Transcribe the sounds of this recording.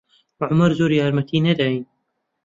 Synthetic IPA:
wɐʕʊmɐɾzoːɾjaːɾmɐt̪ʰiːnɐd̪aːjin

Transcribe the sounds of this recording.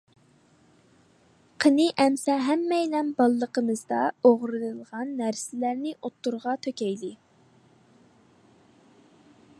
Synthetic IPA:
qʰənɨʔɛmsɛɦæmːɛjlɛnbɑlˠːəqəmɨzd̪ɑoʁɾɨnɨlˠʁɑnːæɾsɪlæɾnɪʔot̪ːuɾʁɑt̪ʰøkʲɛjlɪ

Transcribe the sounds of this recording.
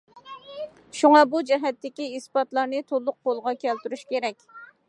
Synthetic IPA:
ʃuŋɑbud͡ʒɛɦɛt̪ːɪkʲiispɑt̪lˠɑɾnɨt̪ʰolˠːʊq̚qolˠʁɑkʲʰɛlt̪yɾyʃkʲeɾɛkʲ

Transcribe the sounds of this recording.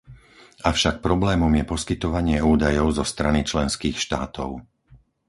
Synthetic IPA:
afʃak̚pɾɔblɛːmɔmjɛpɔskit̪ɔʋaɲɪɛuːd̪ajɔʊzɔst̪ɾanit͡ʃlɛnskiːxʃt̪aːt̪ɔʊ

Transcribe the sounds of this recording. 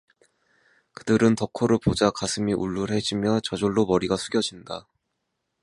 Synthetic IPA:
kɯdɯɾɯntʌkʰoɾɯɭpod͡ʑakasʰɯmiʔuɭːuɾhe̞d͡ʑimjʌt͡ɕʌd͡ʑoɭːomʌɾiɡasʰuɡʲjʌd͡ʑinda

